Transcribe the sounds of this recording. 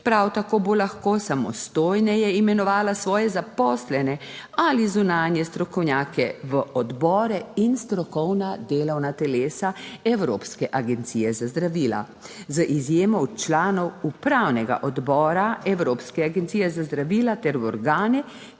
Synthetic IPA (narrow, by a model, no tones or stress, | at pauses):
pɾawt̪akoːbolaxkoːsamɔ̰st̪oːjnɛjɛimɛnɔʋaːlasʋɔːjɛzapɔːslɛnɛalizunaːnjɛst̪ɾɔkɔwnjaːkɛʋəɔd̪bɔːɾɛinst̪ɾɔkɔwnad̪eːlɔwnat̪ɛleːsaɛwɾo̰ːpskɛʔaɡɛnt̪siːjɛzazd̪ɾaʋiːla̰ | zəʔizjeːmɔwt͡ʃlaːnɔwupɾawnɛɡa̰ʔɔd̪bɔːɾaɛwɾoːpskɛaɡɛnt̪siːjɛzazd̪ɾaʋiːlat̪ɛɾwɔɾɡaːnɛ